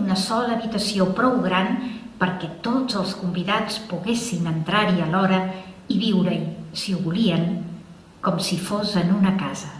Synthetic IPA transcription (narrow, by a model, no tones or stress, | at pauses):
unəsɔləːβit̪əsiopɾɔwɣɾanpəɾkɛt̪od͡zəlˠskumbiðat͡spuɣesinənt̪ɾaɾiəlɔɾə | iβiwɾəsiuβuliəŋ | kɔmsifozənunəkazə